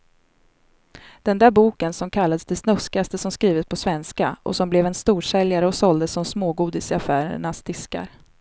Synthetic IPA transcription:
d̪̥ɛnd̪æːɾbuːkənsɔmkʰalːad̪əsd̪ɛsnɵskɪast̪əsɔmskɾiːvət̪̚pʰɔsvɛnskaʔɔ̰sɔmblɛvɛnst̪uːʂɛljaɾəɔsɔld̪əsːɔmsmoːɡuːd̪ɪsɪafæːɾə̰ɳasd̪̥ɪska̰ɾ

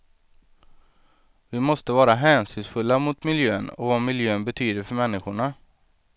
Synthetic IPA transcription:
vɪmɔst̪əvɑːɾaɦɛːnsʏnsfɵlːamʊt̪mɪljøːənɔ̰vamɪljøːənbɛt̪ʰyːd̪əɾfœɾmɛnːɪɧʊɳa

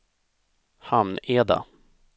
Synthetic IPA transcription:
hamneːd̪a̰

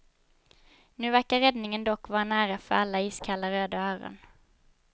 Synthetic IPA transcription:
nʉ̟ːvæɾkaɾɛd̪nɪŋənd̪ɔkːvɑːɾanæːɾafœɾalːaiːskʰalːaɾøːd̪aœːɾə̰ɳ

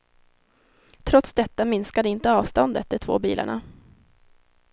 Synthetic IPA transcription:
t̪ʰɾɔt̪sd̪ɛt̪ːamɪnskad̪əɪnt̪əɑːvst̪ɔnd̪ə̰t̪̚d̪ɛt̪ʰvo̰ːbḭːlʔa̰ɳa̰

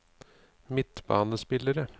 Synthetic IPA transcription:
mɪt̪bɑ̰ːnəspɪləɾə

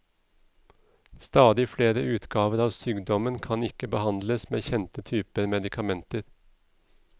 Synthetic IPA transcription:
st̪ɑːd̪ɪfleːɾəʔʉːt̪ɡɑːʋəɾɑːʋsyːɡd̪ɔmənkʰɑnɪkəbəhɑnd̪ləsmeːçɛnt̪ət̪ʰyːpəɾmɛd̪ɪkʰɑmɛnt̪əɾ

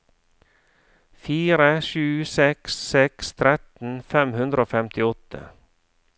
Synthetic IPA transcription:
fiːɾəʃʉːsɛkssɛkst̪ʰɾɛt̪n̩fɛmhʉnd̪ɾoːfɛmt̪ɪɔt̪ʰə̰

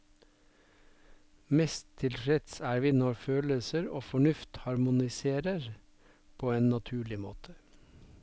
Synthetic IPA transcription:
mɛst̪ʰɪlfɾɛt̪sæːɾʋiːnɔɾføːləsəɾo̰ːfɔɳʉft̪hɑɾmʊnɪseːɾəɾ | pʰoːeːnnɑt̪ʰʉːɭɪmo̰ːt̪ʰə

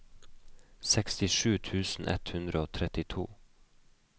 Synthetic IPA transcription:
sɛkst̪ɪʃʉːt̪ʰʉːsn̩ʔɛ̰t̪hʉnd̪ɾəoːt̪ʰɾɛt̪ɪt̪ʰṵː

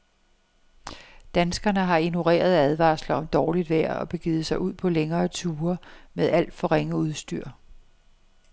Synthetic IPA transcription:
d̥ænsɡ̥ɐnəɦɑ̈ino̝ʁḛːɐð̞̩ˠæð̞ˠʋɑ̰̈ːslɐɒ̽md̥ɒːlid̥ʋæɐ̰ɒ̽b̥e̝ɡ̥iːð̩ˠsɑ̈ɪʔuð̰ˠpʰɒ̽leŋɐːt͡sʰuːɐmeðˠæl̰d̥fɒ̽ʁeŋəuð̞ˠsd̥yɐ̰

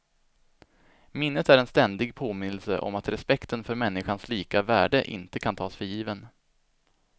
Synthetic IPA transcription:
mɪnːət̪æɾɛnst̪ɛnd̪ɪɡpʰoːmɪnːəlsə̰ʔɔ̰mat̪ɾʔɛspɛkt̪ənfœɾmɛnːɪɧansliːkavæ̰ːɖəʔɪ̰nt̪əkʰant̪ʰɑːsfœɾjiːvən

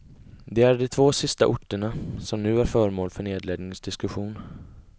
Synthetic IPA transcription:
d̪ɛæɖɔt̪ʰvoːsɪst̪aʔʊʈːəɳasɔmnʉ̟ːæɾfœːɾmoːlfœɳeːd̪leːd̪nɪŋsd̪ɪskɵɧuːn

